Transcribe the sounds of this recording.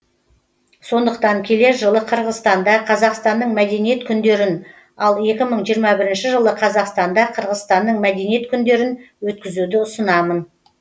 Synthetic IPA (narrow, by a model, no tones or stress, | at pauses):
so̞nd̪əq̚t̪ɑŋkʲʰe̞le̞ɾʒəlˠəqʰəɾʁəzst̪ɑnd̪ɑqʰɑzɑqst̪ɑnd̪əɴmæd̪e̞nije̞t̪kʲʰʏnd̪e̞ɾɪn | ɑlˠje̞kʲɪməɴʒijəɾmɑbɪɾɪnʃɪʒəlˠəqʰɑzɑqst̪ɑnd̪ɑqʰəɾʁəzst̪ɑnd̪əɴmæd̪e̞nije̞t̪kʲʰʏnd̪e̞ɾɪn | wɵt̪̚kʲɪzud̪ɪʊsənɑmən